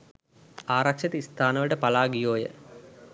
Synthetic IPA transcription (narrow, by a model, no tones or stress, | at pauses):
aːɾakʂet̪əist̪ʰaːnəʋəʈəpalaːɡijoːjə̰